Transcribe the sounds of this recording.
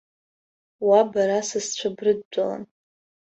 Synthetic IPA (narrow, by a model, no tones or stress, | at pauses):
wabaɾasɨzt͡ɕʷʰabrɨd̚ːʷʼala̰n